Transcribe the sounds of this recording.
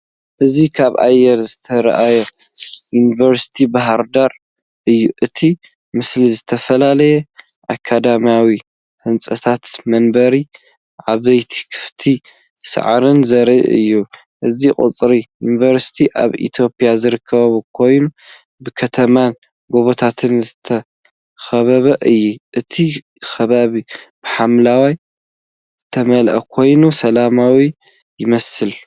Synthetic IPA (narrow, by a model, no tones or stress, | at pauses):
ʔɨzikʰaβa̰jːɛɾzɨt̪ʰɐɾɐ̰ʔajɛjunivɐɾsi̥t̪ʰibaɦaɾd̪aɾ | ʔɨjːuʔɨt̪ʰi | mɨslizɨt̪ʰɐfɐlalɐjɛ | ʔakʰːad̪amijawi | hɨnt͡sʼɐt̪ʰat̪mɐnbɐɾi | ʕaβɐjt̪ʰi̥kʰɨ̥ft̪ʰi | sɐ̰ʕɾɨnzɐɾḭʔɨ̰jːu | ʔɨziχʼɨ̰t͡sʼɾijunivɐɾsi̥t̪ʰiʔa̰βḭt̪ʰjo̞pʼjazɨɾɨkʰːɐβɐβukʰo̞jnu | bɨkʰɐt̪ʰɐman | ɡo̞βot̪ʰat̪ʰɨnzɨt̪ʰɐ | xɐβɐβɐʔɨjːuʔɨt̪ʰi | xʰɐβaβib̥ɨħamlawaj | zɨt̪ʰɐmɐlʔɐ̰kʰo̞jnusɐlamawi | jɪmɐsɨl